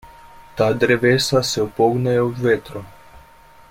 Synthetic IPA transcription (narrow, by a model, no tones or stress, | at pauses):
t̪ad̪ɾeʋesaseopoɡnajeud̪vet̪ɾo